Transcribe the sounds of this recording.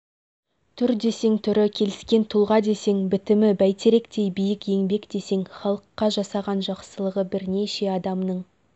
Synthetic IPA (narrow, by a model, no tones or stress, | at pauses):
t̪ʰʏɾd̪e̞se̞ŋt̪ʰʏɾɪkʲʰe̞lɪskʲe̞nt̪ʰʊlˠʁɑd̪e̞se̞ŋbɪt̪ɪmɪbæjt̪ʰeɾe̞kt̪e̞jbijɪkje̞ŋbe̞kd̪e̞se̞ŋχɑlˠəqːɑʒɑsɑʁɑnʒɑqsəlˠəʁəbɪɾne̞ʃe̞ɑd̪ɑmnəɴ